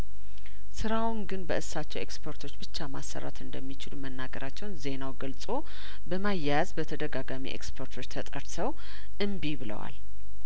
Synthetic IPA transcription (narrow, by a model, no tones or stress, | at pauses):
sɨɾawnɡɨnbəʔɨsat͡ʃːɛwḛkspʰo̞ɾt̪ʰo̞t͡ʃːbɨt͡ʃːamasːə̰ɾa̰t̪ɨnd̪əmːit͡ʃɪlumənːaɡəɾʔat͡ʃːɛwnze̞nawɡəlsʼo̞ | bəmajazbət̪ʰəd̪əɡaɡamḭʔḛkspʰoɾt̪ʰo̞t͡ʃːt̪ʰət̪ʼəɾsʰəw | ʔɨmbibɨlə̰wa̰l